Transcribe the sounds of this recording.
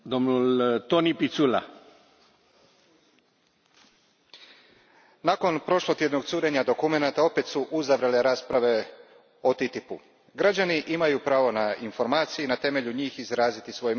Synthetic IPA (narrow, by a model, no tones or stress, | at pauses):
d̪omnult̪onipit̪sula̰ | nako̞npɾo̞ʃlot̪je̞d̪no̞ɡt̪suːɾe̞ɲad̪o̞kume̞nat̪ao̞pe̞t̪suʔuzaʋɾele̞ɾaːspɾaʋe̞ | o̞t̪it̪ipu | ɡɾad͡ʑaniʔimajupɾaːʋo̞nainfo̞ɾmaːt̪sijinat̪e̞me̞ʎuɲiːxizɾaːzit̪isʋo̞j